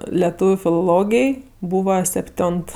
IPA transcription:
lʲɛˈtuːʋʲʊ fʲɪlˠoːˈlˠoːɡʲɪj ˈbuːʋɐ sʲɛpʲˈtʲoːnt

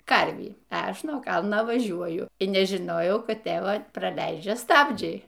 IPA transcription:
ˈkɐrʲʋʲiː ɐ ˈɐʃ nuɔ ˈkɐlˠnɐ ʋɐˈʒʲuɔjʊ iː nʲɛʒʲɪˈnoːjɛʊ ˈkɐt ˈtʲeːʋɐ prɐˈlʲɛɪd͡ʒʲɛ ˈstɑːbʲd͡ʒʲɛɪ

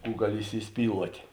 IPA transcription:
ˈkuː ˈɡɑːˌlʲɪ iːsʲɪˈsʲpʲiːlˠuɔtʲeː

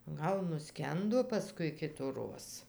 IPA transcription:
ˈɡɐlˠ nʊˈsʲkʲɛndoː pɐˈskʊɪ kʲɪtʊˈroːs

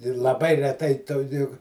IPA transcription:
ɪr lˠɐˈbɐɪ rʲɛˈtɐɪ toː jʊk

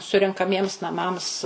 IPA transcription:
sʊrʲɛŋkɐˈmʲiɛms nɐˈmɐms

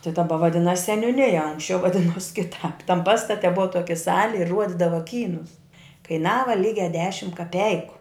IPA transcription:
tʲɪ dɐˈbɐ ʋɐˈdʲɪnɐs sʲɛnʲʊˈnʲɪjɛ ˈɐŋksʲt͡ʃʲɛʊ ʋɐˈdʲɪnoːs kʲɪˈtɑːp tɐm ˈpɑːstɐtʲɛ ˈbʊʋɐ ˈtoːkʲɪ ˈsɑːlʲɪ ɪ ˈruɔdʲɪdɐʋɐ ˈkʲiːnʊs kɐɪˈnɑːʋɐ ˈlʲiːɡʲɛ ˈdʲæːʃʲɪm kɐˈpʲɛɪkʊ

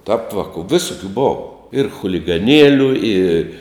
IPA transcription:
ˈtɐrp ˈʋɑːkʊ ˈʋʲɪsʊkʲʊ ˈboːʋɐ ɪr xʊlʲɪɡɐˈnʲiɛlʲʊ ɪ

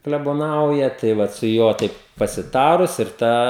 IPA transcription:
klʲɛboːˈnɐʊjɛ tɐɪ ˈʋɐt sʊ ˈjuɔ tɐɪp pɐsʲɪˈtɑːrʊs ɪr ˈtɑː

